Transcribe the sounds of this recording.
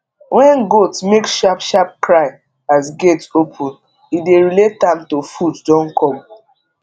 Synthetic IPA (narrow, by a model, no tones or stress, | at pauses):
wɛ̃nɡotmekʃapʃap̚kɹaɪ | asɡetopʰũn | ideɹilet̚ãmtofuddɔ̃nkʰɔ̃m